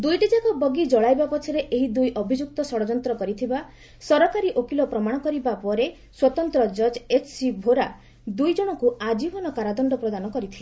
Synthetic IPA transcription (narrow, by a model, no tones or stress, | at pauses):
d̪ujʈid͡ʒakɔbɔɡid͡ʒɔɭajbapɔt͡ʃʰɔɾeʔeɦid̪ujʔɔbʱid͡ʒuk̚t̪ɔsɔɽɔd͡ʒɔnt̪ɾɔkɔɾit̪ʰiba | sɔɾɔkaɾiʔokilɔpɾɔmaɽ̃ɔkɔɾibapɔɾe | swɔt̪ɔnt̪ɾɔd͡ʒɔd͡ʒet͡ʃʰsibʱoɾa | d̪ujd͡ʒɔɽ̃ɔkuad͡ʒibɔnɔkaɾad̪ɔɳɖɔpɾɔd̪anɔkɔɾit̪ʰile